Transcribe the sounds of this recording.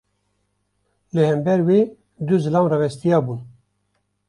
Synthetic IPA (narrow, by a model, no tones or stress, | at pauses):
lɨhɛmbɛɾweː | d̪uzɨlɑːmrɛvɛst̪ijɑːbuːn